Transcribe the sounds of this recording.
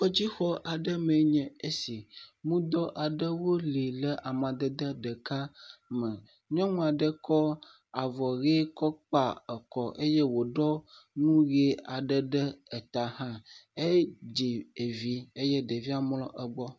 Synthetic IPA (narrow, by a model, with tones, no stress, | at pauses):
wɔ˦d͡ʑi˦xɔ˦ʔa˨ɖə˦me˨˦ɲɛ̃˨e˦si˨mũ˦d̪ɔ˦ʔa˨ɖə˦wo˦li˨lə˦ʔa˨mã˨d̪ə˦d̪ə˦ɖə˨ka˦mə̃˨ | ɲɔ̃˦mũ˦a˨ɖə˦kɔ˦ | a˨vɔ˨ɣe˦kɔ˦k͡pa˨ə˨kɔ˨ʔe˦je˦wo˨ɖɔ˦nũ˦ɣe˦a˨ɖə˦ɖə˦ɛ˨t̪a˨hã˦e˦d͡ʑi˨e˨vi˦e˦jɛ˦ɖə˨vi˦a˦˨mlɔ̃˦ʔə˨ɡ͡bɔ˦